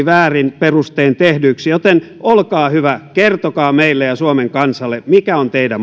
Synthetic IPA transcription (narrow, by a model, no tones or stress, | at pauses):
ʋæːrinperust̪eːnt̪ehdyksjot̪en | olkɑːhyʋækert̪okɑːmeilːejɑsuomeŋkɑnsɑlːemikæont̪eidæ